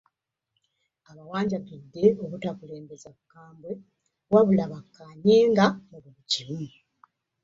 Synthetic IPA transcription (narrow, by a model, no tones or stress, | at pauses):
aβawaːɲɟakidːe̞okutakule̞ːmbe̞zaβukːaːmbwe | waβulaβakːaːɲeːŋɡamuβuβucimu